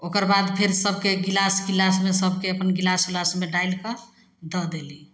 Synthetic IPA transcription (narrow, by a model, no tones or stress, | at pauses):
okəɾbad̪pʰeɾsəbʱkeɡilasɡilasmesəb̚ʱkeəpənɡilasɡilasmeɖajlkə | d̪əd̪eli